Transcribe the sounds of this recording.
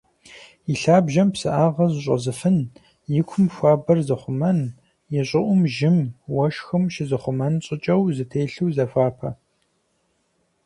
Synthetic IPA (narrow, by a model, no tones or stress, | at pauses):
iɬaːbʒɐmpsɨʔaːʁɐzɕʼɐ̰zɨfɨn | jɪkʷʰʊmxʷaːbɐrzɨχʷʊmɐn | jɛɕʼɪʔʷʊmʒɪmwɐʃxɨmʃɪzɨχʷʊmɐnɕʼɪt͡ʃʼɐwzɨtʰeːɬɨwzɐfʷaːpʰɐ̰